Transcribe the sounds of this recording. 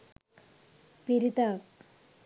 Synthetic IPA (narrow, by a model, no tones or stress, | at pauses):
piɾit̪ak̚